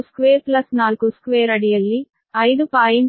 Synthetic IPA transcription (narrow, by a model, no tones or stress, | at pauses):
skʋeːɾplɐsnaːluɡuskʋeːɾɐɽijɐlːi | ɐjd̪upaːjin